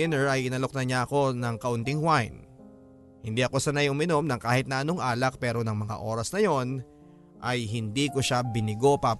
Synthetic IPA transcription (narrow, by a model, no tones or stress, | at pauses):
ɪnɛɹʔɐjʔɪnɐlo̞k̚nɐɲaʔɐko̞nɐŋkɐʔʊnt̪ɪŋwajn | hɪnd̪iʔɐko̞sɐnɐjʔʊmɪno̞mnɐŋkaːhɪt̪̚nɐʔɐno̞ŋʔaːlɐk̚pɛːɾo̞nɐŋmɐŋa̰ʔo̞ːɾɐsnɐjo̞n | ʔɐjɦɪnd̪ikoʃabɪnɪɡo̞pa